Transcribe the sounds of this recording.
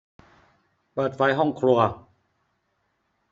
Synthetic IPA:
pɤː˨˩t̪̚fa˧jɦɔ˥˩ŋkʰɾu˧ɐ

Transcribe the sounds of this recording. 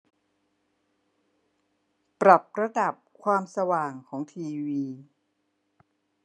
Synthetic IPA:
pɾa˨˩p̚ɾa˧da˨˩p̚kʰwaː˧msa˧waː˨˩ŋkʰɔː˩˦ŋt̪ʰiː˧wiː˧

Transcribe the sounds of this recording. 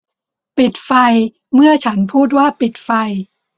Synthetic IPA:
pi˨˩t̪̚fa˧j | mɯ˥˩ɐt͡ɕʰa˦˥npʰuː˥˩t̪̚waː˥˩pi˨˩t̪̚fa˧j

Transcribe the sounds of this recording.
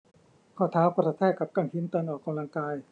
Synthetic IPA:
kʰɔː˥˩t̪ʰaː˨˦˥wpʰaː˧˥sa˧t̪ʰɛː˥˩ka˨˩p̚ka˧˥˩ŋkʰi˧˦˥nt̪ɤː˧ənʔɔː˨˩kːa˧mla˧ŋkaː˧j

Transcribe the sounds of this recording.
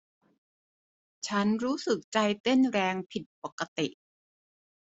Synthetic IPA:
t͡ɕʰa˦˥nɾuː˦˥sɯ˨˩k̚t͡ɕa˧jt̪e˥˩nɾɛː˧ŋpʰi˨˩t̪̚po˨˩kːa˧t̪ḭ˨˩ʔ

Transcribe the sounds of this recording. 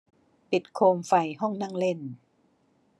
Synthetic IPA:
pi˨˩t̪̚kʰoː˧mfa˧jɦɔ˥˩ŋna˥˩ŋle˥˩n

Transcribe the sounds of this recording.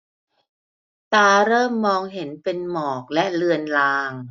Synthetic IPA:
t̪aː˧ɾɤː˥˩mːɔː˧ŋɦe˩˦npe˧nmɔː˨˩k̚lɛ˦˥ʔlɯ˧ənlaː˧ŋ

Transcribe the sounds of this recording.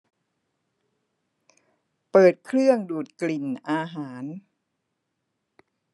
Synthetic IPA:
pɤː˨˩t̪̚kʰɾɯ˥˩əŋduː˨˩t̪̚kli˨˩nʔaː˧ɦaː˩˦n

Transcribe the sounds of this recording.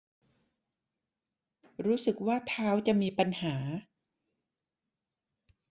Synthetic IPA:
ɾuː˦˥sɯ˨˩k̚waː˥˩t̪ʰaː˦˥wt͡ɕa˨˩ʔmiː˧pa˧nhaː˩˦

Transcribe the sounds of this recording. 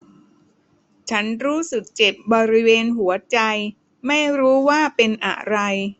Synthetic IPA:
t͡ɕʰa˦˥nɾuː˦˥sɯ˨˩k̚t͡ɕe˨˩p̚bɔː˧ɾi˦˥weː˧nɦu˩˦ɐt͡ɕa˧j | ma˥˩jɾuː˦˥waː˥˩pe˧nʔa̰˨˩ʔɾa˧j

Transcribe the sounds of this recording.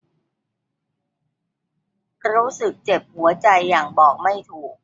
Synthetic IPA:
ɾuː˦˥sɯ˨˩k̚t͡ɕe˨˩p̚hu˩˦ɐt͡ɕa˧jːaː˨˩ŋbɔː˨˩k̚ma˥˩jt̪ʰuː˨˩k̚

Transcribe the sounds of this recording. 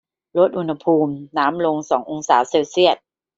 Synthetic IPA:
lo˦˥t̪̚ʔu˧nha˧pʰuː˧mnaː˦˥mlo˧ŋsɔː˩˦ŋʔo˧ŋsaː˩˦seː˧wsi˥˩ət̪̚

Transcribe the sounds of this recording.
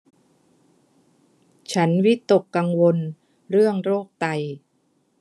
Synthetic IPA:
t͡ɕʰa˦˥nwi˦˥t̪o˨˩kːa˧ŋwo˧n | ɾɯ˥˩əŋɾoː˥˩k̚t̪a˧j

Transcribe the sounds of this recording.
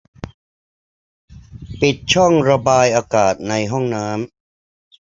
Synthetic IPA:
pi˨˩t̪̚t͡ɕʰɔ˥˩ŋɾa˧baː˧jʔaː˧kaː˨˩t̪̚na˧jɦɔ˥˩ŋnaː˦˥m

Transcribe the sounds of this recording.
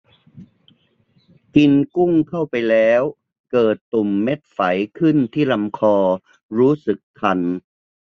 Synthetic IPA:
ki˧nku˥˩ŋkʰa˥˩wpa˧jlɛː˦˥w | kɤː˨˩t̪ːu˨˩mːe˦˥t̪̚fa˩˦jkʰɯ˥˩nt̪ʰiː˥˩la˧mkʰɔː˧ | ɾuː˦˥sɯ˨˩kʰːa˧n

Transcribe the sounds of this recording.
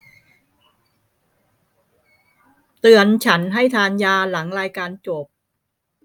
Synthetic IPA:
t̪ɯ˧ənt͡ɕʰa˦˥nɦa˥˩jt̪ʰaː˧njaː˧la˩˦ŋɾaː˧jkaː˧nt͡ɕo˨˩p̚

